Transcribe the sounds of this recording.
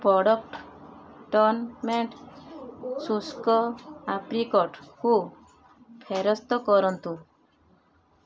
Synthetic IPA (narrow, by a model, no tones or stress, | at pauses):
pɾɔɽɔk̚ʈ | ʈɔɾnmeɳʈ | suskɔapɾikɔʈhu | pʰeɾɔst̪ɔkɔɾɔnt̪u